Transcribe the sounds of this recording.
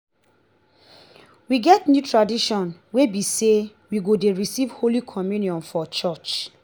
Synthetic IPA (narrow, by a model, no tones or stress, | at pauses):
wiɡɛtnjutʰɹadiʃɔ̃nwebise | wiɡodeɹisivholikʰɔmjunjɔ̃nfɔt͡ʃɔt͡ʃ